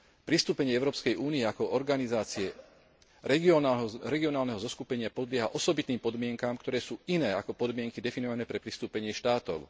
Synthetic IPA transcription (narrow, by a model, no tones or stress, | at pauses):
pɾist̪uːpɛɲɪɛɛʊɾɔːpskɛjʔuːniɛakɔʔɔɾɡanizaːt͡siɛ | ɾɛɡɔɾɛɡiɔnaːlnɛɦɔzɔskupɛɲɪapɔd̪lɪɛɦaʔɔsɔbit̪niːmpɔd̪mɪɛŋkamkt̪ɔɾɛːsuːinɛːakɔpɔd̪mɪɛŋkid̪ɛfinɔʋanɛːpɾɛpɾist̪uːpɛɲɪɛʃt̪aːt̪ɔ̰ʊ